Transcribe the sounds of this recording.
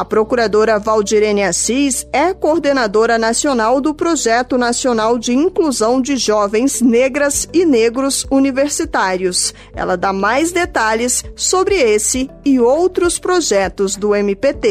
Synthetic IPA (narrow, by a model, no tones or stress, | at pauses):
ɐpɾokuɾad̪oɾɐvawd͡ʒiɾẽniasisɛkoɾd̪enad̪oɾɐnasionawd̪ʊpɾoʒɛt̪ʊnasionawd͡ʒɪĩkluzɐ̃w̃d͡ʒɪʒɔvẽj̃zneɡɾɐzɪneɡɾʊzuniveɾsit̪aɾjʊs | ɛ̰lɐd̪amajzd̪et̪aʎɪsːobɾɪesɪɪowt̪ɾʊspɾoʒɛt̪ʊzd̪ʊẽmipet̪e